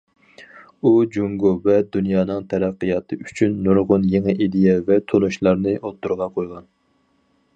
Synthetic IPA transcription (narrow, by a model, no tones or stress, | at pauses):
ud͡ʒuŋɡovɛd̪unjɑːnɨŋt̪ʰɛɾæqːəjɑt̪ʰɨyt͡ʃʰynːuɾʁʊnjeŋɨʔid̪ejɛvɛt̪ʰonuʃlˠɑɾnɨʔot̪ʰːuɾʁɑqʰojʁɑn